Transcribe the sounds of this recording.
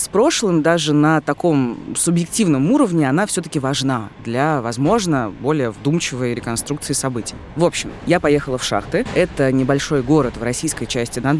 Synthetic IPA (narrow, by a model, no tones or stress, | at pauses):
spɾo̞ʂlˠɨmd̪aʐɨnət̪ɐko̞msʊbjɪk̚tʲivnəmuɾəvnʲɪɐnafsʲɵt̪ə̥kʲɪvɐʐnad̪lʲavɐzmo̞ʐnəbo̞lʲɪjəvd̪umt͡ɕɪvəjɾʲɪkɐnst̪ɾuk̚t̪sɨɪsɐbɨtʲɪjvo̞pɕːɪmjapɐjexəlˠəfʂa̰xt̪ɨɛt̪ənʲɪbɐlʲʂo̞jɡo̞ɾət̪vɾɐsʲijskəjt͡ɕæsʲtʲɪd̪a